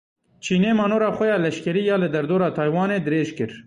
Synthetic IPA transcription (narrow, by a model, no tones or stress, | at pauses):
t͡ʃʰiːneːmɑːnoːɾɑːxɛjɑːlɛʃkɛɾiːjɑːlɨd̪ɛɾd̪oːɾɑːt̪ʰɑːjwɑːneːd̪ɨɾeːʒkɨɾ